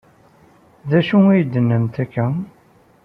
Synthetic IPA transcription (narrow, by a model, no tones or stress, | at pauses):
ðæʃuijd̪ːənːəmt̪ækːæ